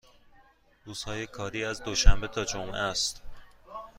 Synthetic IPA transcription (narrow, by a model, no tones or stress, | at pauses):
ɾuːz̥hɒːje̞kʰɒːɾiːæzd̪oʃæmbet̪ʰɒːd͡ʒomʔæst̪